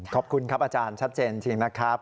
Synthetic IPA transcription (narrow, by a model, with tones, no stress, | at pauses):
kʰɔ˨˩p̚kʰu˧nkʰa˦˥p̚ʔaː˧t͡ɕaː˧nt͡ɕʰa˦˥t̪̚t͡ɕeː˧nt͡ɕi˧ŋna˦˥kʰɾa˦˥p̚